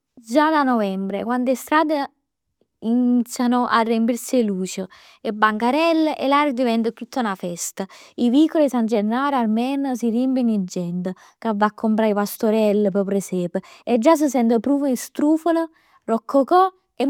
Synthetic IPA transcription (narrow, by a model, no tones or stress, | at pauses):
d͡ʒad̪anovɛmbɾḛkwand̪est̪ɾaːd̪e | init̪sʲːjanoʔarːemp̬iɾseluːt͡ʃə | ebːaŋkaɾɛlːḛlaːɾəd̪ivɛnt̪ət̪ːut̪ʰːanafɛst̪aivikːolisand͡ʒernːaːɾaɾmɛnəs̬iɾimpinid͡ʒːɛnt̪ə | kavːakʰːompɾaipast̪oɾɛlːəp̬ɔpɾesɛːpəed͡ʒːas̬əs̬ɛnt̪əpɾuːfəist̪ɾuːfənə | rɔkʰːokɔ | e